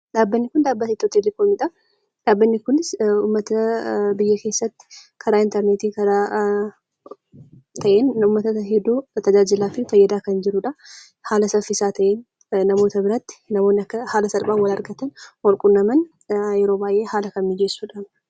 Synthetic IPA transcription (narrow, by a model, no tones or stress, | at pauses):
ᶑaːbːɐnːɪkʊnd̪aːbːɐt̪it̪ːɔt̪elɪkonmɪᶑɐ | ᶑaːbːɐnːɪkʊnɪsʊːmːɐt̪ɐbɪjːɐke̞ːsːɐt̪ːɪ̥ | kʰɐɾaːɪnt̪ɛɾneːt̪iːkɐɾaː | t̪ʰɐʔeːnʊmːɐt̪ɐɛd̪ːuːt̪ɐd͡ʒaːd͡ʒɪlaːfɪfɐjːɐd̪aːkɐnd͡ʒɪɾʊᶑɐ | haːlɐsɐfɪsaːt̪ʰɐʔeːn | nɐmo̞ːt̪ɐbɪɾɐt̪ːɪ̥nɐmoːnːɪɐkːɐhaːlɐsɐlbaːwɐlɐɾɡɐt̪ɐnwɐlkʼʊnːɐmɐn | jɛɾoːbaːjʔe̞ːhaːlɐkɐmmɪd͡ʒesːuːᶑaːm